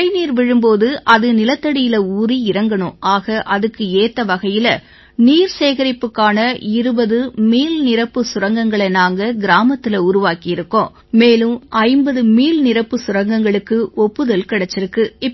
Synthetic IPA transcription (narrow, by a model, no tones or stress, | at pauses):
ɪniːɾʋɪɻɯmpoːðɯʔɐðɯnɪlɐt̪ːɐɽɪjɪlɐuːɾiɪɾɐŋɡɐɳɯʔaːɣɐʔɐðɯkːɯeːt̪ːɐʋɐɣɐjɪlɐ | niːɾseːɣɐɾɪpːɯkːaːnɐɪɾɯbɐðɯmiːlnɪɾɐpːɯsʊɾɐŋɡɐŋɡɐɭɐɪnaːŋɡɐɡɪɾaːmɐt̪ːɪlɐʊɾʊʋaːkijɪɾɯkːõː | meːlɯmʔɐɪmbɐðɯmiːlnɪɾɐpːɯsʊrɐŋɡɐŋɡɐɭɯkːɯɔpːɯðɐlkɪɽɐt͡ʃːɪɾɯkːɯɪ